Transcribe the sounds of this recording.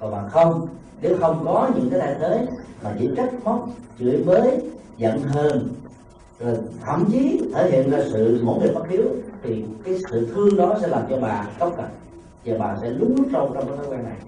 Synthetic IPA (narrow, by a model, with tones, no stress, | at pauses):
kɔ˨˩ɓaː˨˩xə˧wŋ͡m | ne˨˦xə˧wŋ͡mkɔ˨˦ɲɨ̰˧˥ŋkaː˨˦t̪a̰ː˧˨˩jt̪ʰəː˨˦jmaː˨˩t͡ɕḭ˧˥ət͡ɕa˦˥k̚mɔ˦˥k͡p̚t͡ɕɨ˧˨əjməː˨˦j | zə̰˧˨nɦəː˧n | zo˨˩jt̪ʰə̰˧˨wŋ͡mt͡ɕi˨˦t̪ʰəː˧˩hḭ˧˨ənzaː˧sɨ̰˧˨mo̰˧˥jŋɨ˨˩jma˦˥k̚i˨˦əwt̪ʰi˨˩kaː˨˦jsɨ̰˧˨t̪ʰɨ˧əŋɗɔ˨˦sɛ̰˧˥laː˨˩mt͡ɕɔ˧ɓaː˨˩kə˦wŋ͡m̚kə˨˩p̚ | zaː˨˩ɓaː˨˩sɛ̰˧˥lʊ˨˦ŋ͡mt͡ɕo˧t͡ɕɔ˧ŋ͡mkaː˨˦t̪ʰəː˨˦kwaː˧na˨˩j